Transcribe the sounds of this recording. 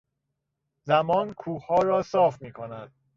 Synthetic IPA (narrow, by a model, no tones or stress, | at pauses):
zæmɒːnkʰuːhɒːɾɒːsɒːfmiːkʰonæd̪̥̚